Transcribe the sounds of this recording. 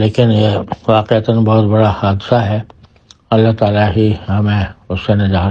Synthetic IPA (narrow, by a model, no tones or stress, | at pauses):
leːkɪnjeʋaːqeət̪ənbɔɦʊt̪bɐɽahaːd̪ɪsaɦɛ | ɐlːaɦt̪aːlaɦihɐmẽʊsːenɪd͡ʒaː